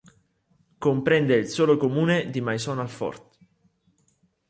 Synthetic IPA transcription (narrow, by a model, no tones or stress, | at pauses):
kompɾɛnd̪eilsoːlokomuːned̪imajsɔnalfɔ̰rt̪